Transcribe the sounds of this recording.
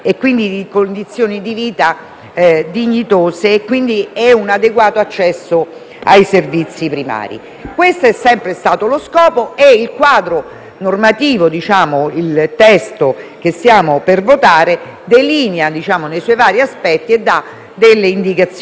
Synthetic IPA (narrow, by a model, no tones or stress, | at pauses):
ekːwind̪id̪ikond̪it̪sːjoːnid̪iviːt̪a | d̪iɲːit̪oːseːkːwind̪iɛunad̪eɡwaːt̪oat͡ʃːɛsːo | a̰jservit̪sːipɾima̰ːɾḭ | kwest̪oɛsːɛmpɾest̪aːt̪oloskɔːpoeilkwaːd̪ɾo | normat̪iːvod̪it͡ʃaːmoilt̪ɛst̪ok̟esjaːmopervot̪aːɾe | d̪eliːnjad̪it͡ʃaːmonejsɔjvaːɾjiaspɛt̪ːied̪ːa | d̪elːeind̪ikat̪s